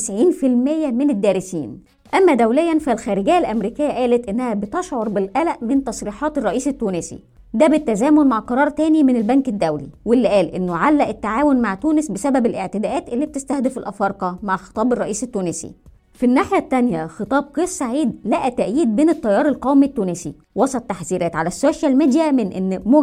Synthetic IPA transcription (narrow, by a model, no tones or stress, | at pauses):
sʕiːnfilmejːæmened̪ːæːɾesḭːn | ʔæmːæd̪æwlejːænfælxæːɾeɡɪjːælʔæmɾiːkɪjːæʔæːlæt̪ʔenːæhæbet̪eʃʕoɾˤbelʔælæʔment̪ɑsˤɾiːħɑːt̪erˤːɑʔiːset̪ːuːnesḭ | d̪æbet̪ːæzæːmonmaʕqɑɾˤɑːɾˤt̪æːnimenelbæŋked̪ːæwlḭwelːʔæːlʔenːoʕalːæʔet̪ːaʕaːwonmaʕt̪uːnɪsbesæbæbelʔeʕt̪ed̪æːʔæːt̪ʔelːiːb̚t̪est̪æhd̪fɪlʔɑfɑɾˤqɑmaʕxe̥t̪ˤɑːberˤːɑʔiːset̪ːuːnesḭ | finːaːħjæt̪ːænjæxet̪ˤɑːb̚qeːssaʕiːd̪læʔæt̪æʔjiːd̪̚beːnet̪ˤːɑjːɑːɾˤelqæwmit̪ːuːnesḭ | wɑsˤɑt̪ːaħziːɾæːt̪ʕalæsːoːʃælmiːd̪jæmɪnʔḛnːmo